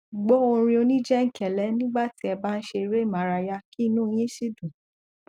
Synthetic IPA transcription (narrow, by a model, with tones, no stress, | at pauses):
ɡ͡bo˨˦o˧ɾ̃ĩ˧o˧nĩ˦d͡ʒɛ˦ŋ̩˨kɛ˨lɛ˨˦nĩ˦ɡ͡ba˦˨ti˦ɛ˧ba˦n̩˦ʃe˧ɾe˦˨mã˨˦ɾa˧ja˧ki˦˧nũ˦˧j̃ĩ˦ʃi˦dũ˨